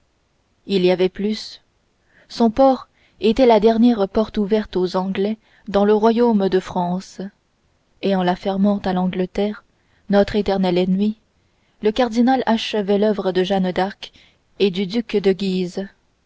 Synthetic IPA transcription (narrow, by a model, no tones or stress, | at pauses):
iliavɛplys | sɔ̃pɔʁ | et̪ɛlad̪ɛʁnjɛʁpɔʁt̪uvɛʁt̪ozɑ̃ɡlɛ | d̪ɑ̃ləʁwajomd̪əfχɑ̃s | eɑ̃lafɛʁmɑ̃t̪alɑ̃ɡlət̪ɛʁ | nɔt̪χet̪ɛʁnɛlenɥi | ləkaʁd̪inalaʃəvɛlœvʁəd̪əʒand̪aʁk | ed̪yd̪ykd̪əɡʲiz